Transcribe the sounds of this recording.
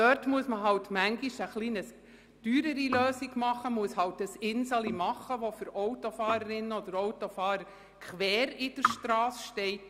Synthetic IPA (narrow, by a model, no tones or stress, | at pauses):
tœɾtmuəsməɦɑwtmæŋɡiʃəχliːnəs | d̥yːɾəɾiløːsiɡmɑχəmuəshɑwtəsɪnsɑlimɑχəʋofʏɾoʊtofɑːɾəɾɪnːəɔd̥əɾowtɔfɑːɾəɾ | kʰχʋɛːɾɪd̥əɾʃtɾɑːsʃtɛɪt